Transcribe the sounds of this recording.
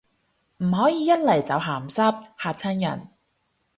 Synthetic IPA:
m̩˨˩ɦɔː˨˥jiː˨˧jɐ˥t̚lɐ˨˩jt͡sɐ˨˧wɦaː˨˩msɐ˥p̚haː˨˧t̚t͡sʰɐ˥njɐ̰˨˩n

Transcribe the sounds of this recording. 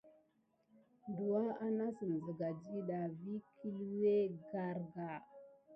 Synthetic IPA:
ndu˨a˦a˦na˦sə˨n˨zə˨ɡa˨d͡ʒi˦ɗa˨vi˦kʰi˦lwe˦ɡa˦ɾɡa˨

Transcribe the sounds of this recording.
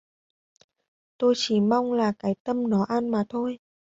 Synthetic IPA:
t̪o˧jt͡ɕi˧˩ma˧wŋ͡mlaː˨˩kaː˨˦jt̪ə˧mnɔ˨˦ʔa˧nmaː˨˩t̪ʰo˧j

